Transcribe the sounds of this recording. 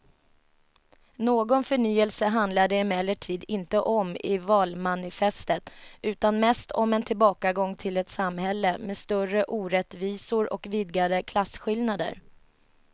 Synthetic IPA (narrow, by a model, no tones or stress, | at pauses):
noːɡɔnfœɳyːəlsəɦand̪lad̪əɪmɛlːəʈʰiːd̪ɪnt̪əʔɔmɪvɑːlmanɪfɛst̪ət̪ʉ̟ːt̪anmɛst̪ʰɔ̰mɛnt̪ʰɪlbɑːkaɡɔŋːt̪ʰɪlɛt̪samhɛlːəmɛːst̪œrəʔuːɾɛt̪viːsʊɾʔɔ̰kvɪd̪ɡad̪əkʰlasːɧɪlnad̪ə̰ɾ